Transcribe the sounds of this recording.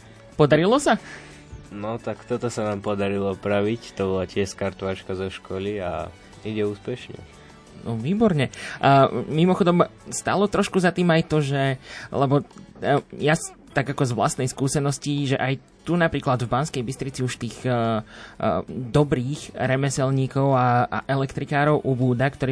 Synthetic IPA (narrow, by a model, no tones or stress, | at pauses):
pɔd̪aɾilɔsa | nɔt̪akt̪ɔt̪ɔsanaːmpɔd̪aɾilˠɔpɾaʋict̪ɔbɔlacɪɛʃskaɾt̪ɔʋaːt͡ʃkazɔʃkɔlia̰ | iɟɛuːspɛʃɲɛ̰ | nɔʋiːbɔɾɲɛ | mimɔxɔd̪ɔmst̪a̰lɔt̪ɾɔʃkuzat̪iːmajt̪ɔʒɛlɛbɔ | jas | t̪aɡakɔzʋla̰st̪nɛjskuːsɛnɔsciʒɛʔaj | t̪unapɾiːklad̪vbanskɛjbist̪ɾit͡siuʃt̪iːɣ | d̪ɔbɾiːxɾɛmɛsɛlɲiːkɔʊa̰ʔɛlɛkt̪ɾikaːɾɔʊʔubuːd̪akt̪ɔɾiː